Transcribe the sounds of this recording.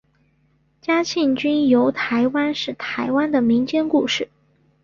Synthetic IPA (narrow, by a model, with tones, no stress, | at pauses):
t͡ɕja˥t͡ɕʰi˥˩ŋt͡ɕy˥njo˧˥ʊt̪ʰa˧˥ɪwa˥nʂɻ̩˥˩t̪ʰa˧˥ɪwa˥nd̪ə˨mi˧˥ŋt͡ɕjɛ˥nku˥˧ʂɻ̩˥˩